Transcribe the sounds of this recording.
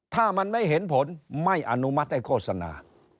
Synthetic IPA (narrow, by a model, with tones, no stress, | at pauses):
t̪ʰaː˥˩ma˧nma˥˩jɦe˩˦npʰo˨˦nma˥˩jʔa˧nu˦˥ma˦˥t̪̚da˥˩jkʰoː˥˩t̚sa˧na̰ː˨˧